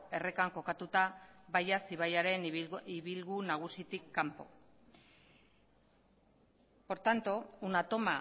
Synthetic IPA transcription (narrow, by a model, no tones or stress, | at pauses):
e̞re̞kaŋko̞kat̪ut̪aβajasiβajaɾe̞niβilɣunaɣ̞usit̪ikːampo̞̰ | po̞ɾt̪ant̪ounat̪o̞ma